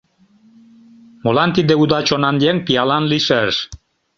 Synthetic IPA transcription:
molant̪id̪eud̪at͡ɕonand̪jeŋpialanliʃɛʃ

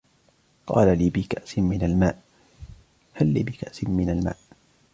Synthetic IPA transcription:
qɑ̰ːlaliːbɪkaʔsɪmɪnalmaːʔ | halːiːbɪkaʔsɪnmɪnalma̰ːʔ

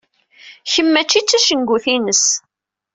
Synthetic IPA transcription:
çəmːæt͡ʃːit͡sːæʃənɡʷuθinəs

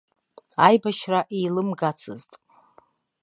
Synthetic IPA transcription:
ajbaʃraʔijlɨmɡat͡sʰɨ̰ztʼ

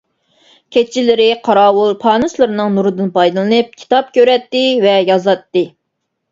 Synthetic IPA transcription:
kʲʰet͡ʃʰːilɪɾɪqʰɑɾɑːwulˠpʰɑːnɨslˠɨɾɨnɨŋnuɾɨd̪ɨnpʰɑjd̪ɨlˠɨnɨp̚kʲʰi̥t̪ɑp̚kʲøɾɛt̪ːɪvɛjɑzɑt̪ːɨ

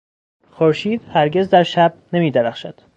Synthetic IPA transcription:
xoɾʃiːd̪̥hæɾɟe̞zd̪æɾʃæb̚nemiːd̪eɾæxʃæd̪̥

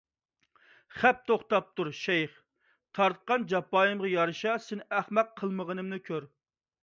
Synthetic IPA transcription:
χæp̚t̪ʰoχt̪ɑp̚t̪uɾʃɛjχ | t̪ʰɑɾt̪̚qɑnd͡ʒɑpːɑːjɨmʁɑjɑɾɨʃɑsɪnɪʔæχmɛqʰːəlˠməʁənɨmnɨkʲʰøɾ

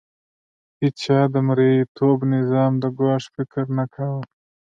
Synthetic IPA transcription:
hit͡ʃʰɑːd̪əmɾeit̪ʰoːbnɪzɑːmd̪əɡaːʂfɪkɾnakʰawə

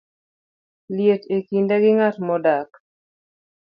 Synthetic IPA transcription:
ljetekindaɡɪŋatmɔdak

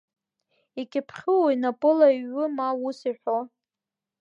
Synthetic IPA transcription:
ikʲʼɪpʰχʲɨwojnapʼɨlaiɥːʊmawusiħʷo

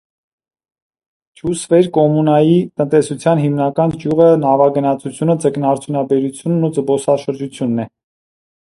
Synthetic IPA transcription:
t͡ʃʰusvɛɾkɔmunɑjit̪ənt̪ɛsut͡sʰjɑnɦimnɑkɑnkʰjuʁənɑvɑɡənɑt͡sʰut͡sʰjunət͡səknɑɾt͡sʰjunɑbɛɾut͡sʰjunːud͡zəbɔsɑʃəɾd͡ʒut͡sʰjunːɛ

